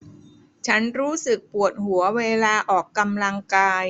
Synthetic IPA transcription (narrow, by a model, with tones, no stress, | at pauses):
t͡ɕʰa˦˥nɾuː˦˥sɯ˨˩k̚pu˨˩ət̪̚hu˩˦ɐweː˧laː˧ʔɔː˨˩kːa˧mla˧ŋkaː˧j